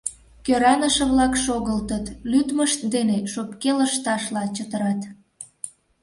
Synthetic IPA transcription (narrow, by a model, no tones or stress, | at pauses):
køɾɑnəʃə̆βlɑkʃoɣəlt̪ət̪lyd̪məʃt̪d̪eneʃopkeləʃt̪ɑʃlɑt͡ɕət̪əɾɑt̪